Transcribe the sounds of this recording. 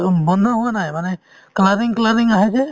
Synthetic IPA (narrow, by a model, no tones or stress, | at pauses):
bɔnd̪ʱɔɦuwanajmanɛ | klaɾiŋklaɾiŋaɦɛsɛ